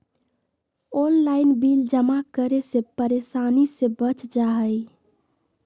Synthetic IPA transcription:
onlaɪnbild͡ʒəmakəɾesepəɾesanisebət͡ʃd͡ʒaɦəj

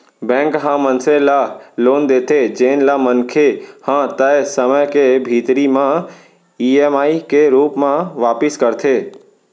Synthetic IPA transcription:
bɛ̃ːŋkɦãmə̃nselaloːnd̪eːt̪ʰed͡ʒeːnlamənkʰehãːt̪əsəməjkebʱiːt̪ɾimã | iːeːmaːikeɾuːpmãʋaːpɪskəɾt̪ʰeː

